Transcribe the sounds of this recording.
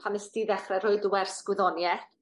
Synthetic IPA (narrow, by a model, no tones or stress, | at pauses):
pʰanəsd̥iðɛχrɛɾoɨdəwɛrsɡ̥wɪðɔnjɛθ